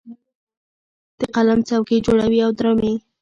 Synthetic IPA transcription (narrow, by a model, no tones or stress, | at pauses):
d̪̥əqalamt͡sawked͡ʒoɽawiawd̪ɾɑmi